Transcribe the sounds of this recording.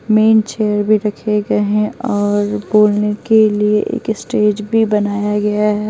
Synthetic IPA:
meːnt͡ʃeːjəɾbʱiɾɐkʰeɡɐeɦɛ̃ɔːɾboːlnekelieʔḛːkɪsʈeːd͡ʒbʱibɐnaːjaɡɐjaɦɛː

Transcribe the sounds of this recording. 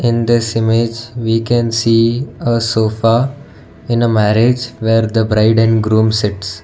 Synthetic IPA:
ɪ̃nd̪ɪsɪmed͡ʒʋiːkɛ̃nsiːəsoːfa | ɪ̃nəmæɾed͡ʒʋeːɾd̪əbɾaɪɖə̃nɡɾũːmsɪʈs

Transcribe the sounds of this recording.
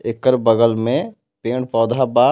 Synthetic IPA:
ekːəɾbəɡəlmẽ | pẽːɳ̚pɔːd̪ʱaba

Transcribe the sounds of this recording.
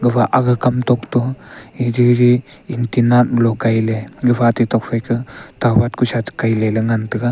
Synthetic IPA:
ɡɯbaʔaɡɯkamtɔk̚tɔid͡ʒid͡ʒi | intinatlɔkajleɡɯbatitɔk̚fʰajkʰɯtabat̚kʰusat͡ʃkajlelɯŋantɯka

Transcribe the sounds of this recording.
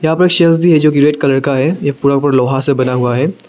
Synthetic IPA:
jɐɦãpɐɾeːkʃelsbʱiɦɛd͡ʒoːkiɾeːʈ̚kalɐɽkaɦɛjapuːɾapɐɾlɔːɦasebɐnaɦʊaɦɛː

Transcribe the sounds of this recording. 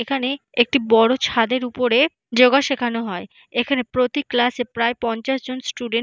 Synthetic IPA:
ekʰane | ek̚ʈibɔɽot͡ɕʰad̪eɾupoɾe | d͡ʑoɡaʃekʰanoɦɔe | ekʰanepɾot̪iklasepɾaepɔnt͡ɕaʃd͡ʑonsʈuɖe

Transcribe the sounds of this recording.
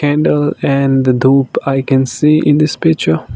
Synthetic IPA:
kæ̃ɳɖəlɛ̃nd̪əd̪uːpaɪkɛ̃nsiːʔɪ̃nd̪ɪspɪk̚t͡ʃə

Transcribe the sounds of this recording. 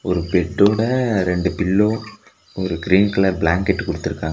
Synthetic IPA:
ɔɾɯpɛʈːoːɽɐɾɛɳɖɯpɪɭːoː | ɔɾɯkɪɾiːnkɐlɐɾblaːŋkɛʈːɯkʊɽɯt̪ːɯɾɯkːaːŋɡɐ

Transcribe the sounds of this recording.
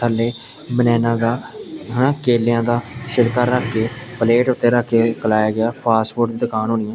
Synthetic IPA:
əlːeː | bənɛːnãːɡaːɦənãːkeːljãːd̪aːʃɪɽkaːɾaːkʰːeːpəleːʈʊt̪ːeːɾaːkʰːeːkəlaːjaːɡɪaːpʰaːsʋəɖd̪iːd̪ɪkʰaːnɦoːnɪjãː

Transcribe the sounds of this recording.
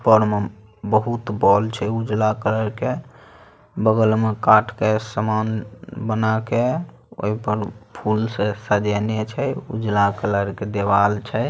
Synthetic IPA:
pəɾme | bəɦut̪bɔlt͡ʃʰɛud͡ʒlakələɾke | bəɡəlmekaʈʰkesəmanbənake | o̰ipəɾpʰulsesəd͡ʒɛnet͡ʃʰɛṵd͡ʒlakələɾked̪ebalt͡ʃʰɛ

